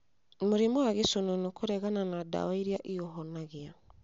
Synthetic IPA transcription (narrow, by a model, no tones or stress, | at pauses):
moɾimoaɣesononokʰoɾɛɣananada̰waiɾiaʔiɔɦɔnaɣia